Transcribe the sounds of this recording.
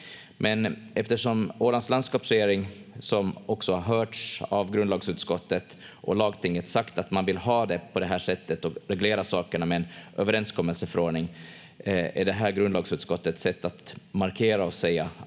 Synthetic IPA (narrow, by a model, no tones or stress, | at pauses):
mʔɛnʔɛft̪əʂɔmoːlansland̪skɑːpsɾɛjeːɾɪŋsɔmɔksɔhaɾɦœːʈʂavɡɾɵnd̪ɑːɡsʉ̟ːt̪skɔt̪ːət̪ | ʔɔ̰lɑːɡt̪ʰɪŋːət̪sakt̪at̪manvɪlɦɑːd̪ɛpʰɔd̪ɛɦæːʂɛt̪ːət̪ɔɾɛɡleːɾasɑːkəɳamɛɛnøːvəɾɛnskʰɔmːəlsəfœɾoːɖɳɪŋ | ɛ̰ɖɛɦæːɾɡɾɵnd̪ɑːɡsʉ̟ːt̪skɔt̪ːət̪sɛt̪ːat̪maɾkʰeːɾaɔsɛjːa